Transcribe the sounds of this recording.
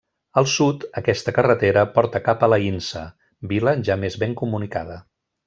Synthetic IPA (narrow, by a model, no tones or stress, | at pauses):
əlˠsut̪əkɛst̪əkərət̪eɾəpɔɾt̪əkapələinsə̰ | biləʒamezβeŋkumunikað̞ə